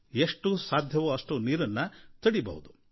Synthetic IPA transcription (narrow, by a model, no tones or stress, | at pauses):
eʂʈusaːd̪ʱjɐʋuɐʂʈuniːɾɐnːɐt̪ɐɽibɐ̰ʋud̪u